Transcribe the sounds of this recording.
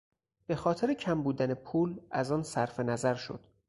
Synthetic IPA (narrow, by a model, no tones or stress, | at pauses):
b̥e̞xɒːt̪ʰe̞ɾecʰæmbuːd̪ænepʰuːlæzɒːnsæɾfe̞næzæɾʃo̞̰d̪̥